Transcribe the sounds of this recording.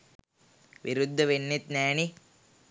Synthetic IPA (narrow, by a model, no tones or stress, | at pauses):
ʋiɾud̪ʱːɐʋenːet̪nɛːni